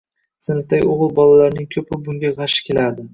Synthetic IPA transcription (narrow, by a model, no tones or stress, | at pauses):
sɪnɪft̪ʰaɡʲoʁɨlˠbɒlalaɾnɪŋkʲʰɵpɪbʊŋɡʲaʁɑʃɪ̥kʲʰe̞laɾd̪ɪ